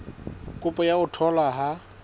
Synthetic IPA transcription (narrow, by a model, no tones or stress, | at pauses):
kʼʊpʼɔjaʊtʰɔlaɦa